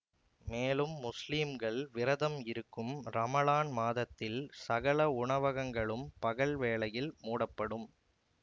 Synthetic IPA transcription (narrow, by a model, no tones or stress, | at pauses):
meːlɯmːʊsliːmɡɐɭʋɪɾɐðɐmɪɾɯkːɯmɾɐmɐlaːnmaːðɐt̪ːɪlsɐɣɐɭɐʊɳɐʋɐɣɐŋɡɐɭɯmpɐɣɐɭʋeːɭɐjɪlmuːɽɐpːɐɽɯm